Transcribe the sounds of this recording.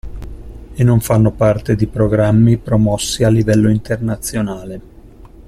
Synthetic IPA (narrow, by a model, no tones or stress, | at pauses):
enːoɱfanːopart̪ed̪ipɾoɡɾamːipɾomɔsːialːivɛlːoint̪ernat̪sːjonaːle